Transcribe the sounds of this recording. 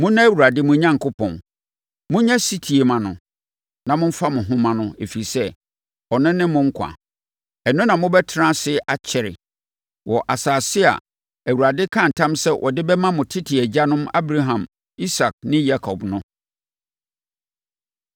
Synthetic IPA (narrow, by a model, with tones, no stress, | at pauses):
mʊ̃˦nã˦æ˦˨wu˨ɾa˨dɪ˦mʊ̃˦ɲã˦ŋkʰʊ˦pʰɔ̰̃˨n | mʊ̃˦ɲã˦si˦tʰi˨e˨mã˨nʊ̰̃˨ | nã˨mʊ̃˦m̩˦fa˦mʊ̃˨ɦʊ̃˦mã˨nʊ̃˦e˨fi˨i˨sɛ˦ | ɔ˨nɪ̃˦nɪ̃˦mʊ̃˦ŋ̩˦kʰã̰˨ | ɛ˨nʊ̃˦nã˨mʊ̃˦bɛ˦tʰɪ˦ɾã˦sɪ˦ʔa˨t͡ɕʰɛ˨ɾɪ̰˨ | wʔɔ˨ʔa˨saː˨sɪ˦a̰˨ | æ˨wu˨ɾa˨dɪ˦kʰã˦n̩˨tʰã˦msɛ˦wʔɔ̰˨dɪ˦bɛ˦mã˦mʊ̃˨tʰɪ˦tʰɪ˨æ˨d͡ʑa˦nʊ̃˦ma˦bɾa˦ɦã˨m | i˦sa˨k̚nɪ̃˦ja˦kʰɔ˨bnʊ̃˦